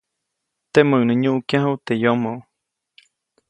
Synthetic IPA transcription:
t̪eməʔnəɲuʔkjãɦuwt̪ejomoʔ

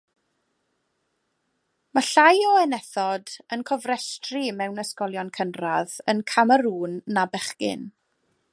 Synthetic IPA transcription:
maɬajɔɛnɛθɔdənkʰɔvrɛstrɪmɛwnəskɔlˠjɔnkʰənraðənkʰaməɾuːnːabɛχkɪ̰n

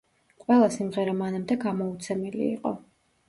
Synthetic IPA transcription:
qʼwɛlˠasimʁɛɾamanamd̪ɛɡamɔut̪sʰɛmɛlḭːqʼɔ̰

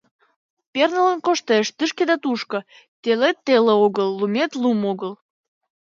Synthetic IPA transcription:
pʲernələnkoʃt̪eʃt̪ɨʃked̪ɑt̪uʃkə̆ | t̪ʲelet̪ːeleoɣəlːumet̪lumoɣəl

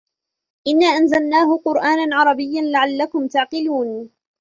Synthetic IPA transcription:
ʔɪnːaːʔanzalnaːhʊqʊɾʔaːnanʕɑɾˤɑbɪjːanlaʕalːakʊmt̪aʕqɪluːn

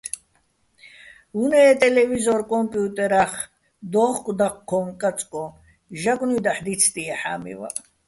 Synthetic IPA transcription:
unɛːt̪ʼɛlɛvizɔɾkʼɔmpʼjut̪ʼɛɾaχ | d̪ɔχkʼd̪aqkʰːɔmkʼat͡sʼkʼɔ | ʒaɡʷʼnid̪aħd̪it̪sʰt̪ʼiaħa̰mḭva̰

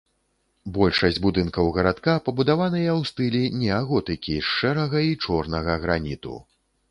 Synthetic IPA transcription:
bɔlʲʂɐsʲd͡zʲbud̪ɨnkɐwɣɐɾat̪kapɐbud̪avanɨjɐwst̪ɨlʲinʲɛaɣɔt̪ɨkʲiʂːɛɾɐɣɐit͡ʂɔrnɐɣɐɣɾanʲit̪ṵ

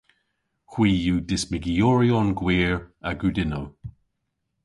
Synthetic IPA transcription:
xwiːjuːdɪsmɪɡijɔːɹiɔnɡwiːɹaɡudɪnow

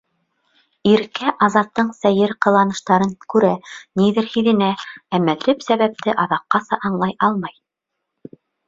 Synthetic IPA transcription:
iɾkæʔɑzɑt̪ːɤɴsæjɘɾqɤ̆lˠɑnɤ̆ʃt̪ɑɾɤŋkʉɾæniðɘɾhiðɘ̆nææmælɘpsæβæp̚t̪ʰɘʔɑðɑqːɑsɑʔɑɴlˠɑjɑlˠmɑj

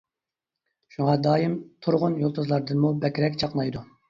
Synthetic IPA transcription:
ʃuŋɑd̪ɑːjimt̪ʰuɾʁʊnjolˠt̪ʰuzlˠɑɾd̪ɨnmubɛkʲɾɛkʲt͡ʃʰɑqlˠɑjd̪u

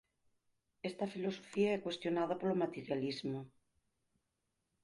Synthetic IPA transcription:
est̪afilosofiaɛkwest̪jonað̞apolomat̪eɾjalizmo

